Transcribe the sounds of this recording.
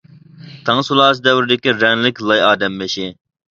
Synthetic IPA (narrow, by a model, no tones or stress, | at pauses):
t̪ʰɑŋsulˠɑːs̬ɨd̪ɛwɾɪd̪ɪkʲiɾɛŋlɪkʲlˠɑjɑːd̪ɛmːeʃɪ